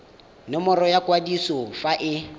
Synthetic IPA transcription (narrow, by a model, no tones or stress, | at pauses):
nɪmɔɾɔjakʼwadisɔfaʔɪ